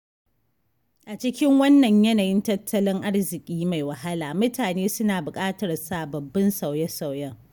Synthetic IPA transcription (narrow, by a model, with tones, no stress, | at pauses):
ʔa˨t͡ʃɪ˦kʲɪ˦ŋwɐ˦nːɐ˨ɲjɐ˦naː˨jɪ˦ntɐ˦tʰːɐ˦lɪ˦ŋʔa˦ɽzɪ˨kʲʼiː˦ma˨jwɐ˨ha˦laː˨mʊ˦taː˨neː˦sʊ˦naː˨bʊ˨kʼaː˦tɐ˨rsa˨bɐ˨bːɐ˦nsa˨wjɐ˦sa˨wjɐ˦ŋ